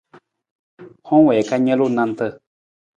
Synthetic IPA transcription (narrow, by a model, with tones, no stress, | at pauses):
hɔ̃˦wɛ˨ka˦ɲə̃˦lu˦˨nã˧nt̪ə˧